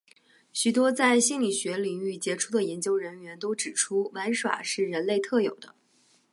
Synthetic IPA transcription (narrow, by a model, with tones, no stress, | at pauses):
ɕy˨˩t̪wɔ˥t͡sa˥˩ɪɕi˥nli˨˩ɕɥɛ˧˥li˨˩ŋy˥˩t͡ɕjɛ˧˥ʈ͡ʂʰu˥˩d̪ə˨jɛ˧˥nt͡ɕjo˥ʊɻə˧˥nɥɛ˧˥nt̪o˥ʊʈ͡ʂɻ̩˨˩ʈ͡ʂʰu˥wa˧˥nʂwa̰˨˩ʂɻ̩˥˩ɻə˧˥nle˥˧ɪt̪ʰɤ˥˩jo˨˩ʊd̪ə˦